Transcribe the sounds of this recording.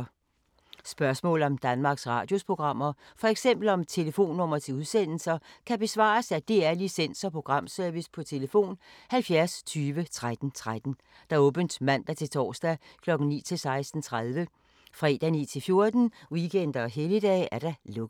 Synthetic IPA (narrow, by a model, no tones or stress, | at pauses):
sb̥ɶɐsmɔ̰ːl̩ɒ̽md̥ænmɑ̈ːɡ̥sʁɑ̈ːd̥jo̝spʰʁo̝ɡ̥ʁɑ̈m̰ɐfɒ̽eɡ̥sem̰b̥l̩ɒ̽mt͡sʰe̝ləfo̝̰ːnːɔ̽m̰ɐt͡sʰe̝uðˠsen̰l̩sɐkʰæb̥e̝sʋɑ̰̈ːsæd̥e̝æɐlisen̰sɒ̽pʰʁo̝ɡ̥ʁɑ̈m̰sœɐʋispʰɒ̽t͡sʰe̝ləfo̝̰ːnhælfjæɐst͡sʰyːʋət͡sʰʁad̥n̩t͡sʰʁad̥n̩ | d̥ɑ̈ɔ̽ːb̥ənd̥mæn̰d̥æt͡sʰe̝lt͡sʰɒ̰ːsd̥ækʰlɒ̽ɡ̥n̩nḭːt͡sʰe̝lsɑ̈ɪsd̥n̩t͡sʰʁað̞ˠʋə | fʁɛ̰ːd̥æniːt͡sʰe̝fjo̝ɐd̥n̩wiɡ̥ʰen̰d̥ɐːɦeləd̥ɛ̰ːʔæɐɾ̥ɑ̈lɔ̽ɡ̥